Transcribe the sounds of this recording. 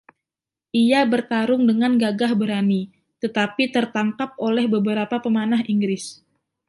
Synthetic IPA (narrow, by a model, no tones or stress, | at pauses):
ʔiabərt̪aɾʊŋdəŋanɡaɡahbəɾani | t̪ət̪apit̪ərt̪aŋkap̚ʔolɛhbəbəɾapapəmanaɦiŋɡɾɪs